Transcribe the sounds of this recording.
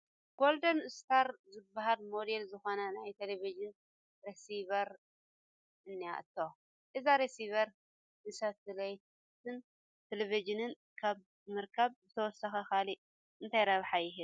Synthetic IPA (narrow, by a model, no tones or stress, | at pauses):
ɡ̥o̞ld̪ɐnɨst̪ʰaɾzɨbːahalmod̪elzɨxo̞nɐnajt̪ʰelevid͡ʒɨn | ɾesivɐɾ | ʔɨnːija̰ʔt̪ʰːo | ʔɨzaɾesiβɐɾ | nɨsɐt̪ɨlɐj | t̪ʰɨn | t̪ʰelevid͡ʒɨnɨn | kʰaβ | mɨɾkʰɐβzɨt̪ʰɐwɔsːɐxɐkali | ʔɨnt̪ʰajɾɐβħajɪɦɨ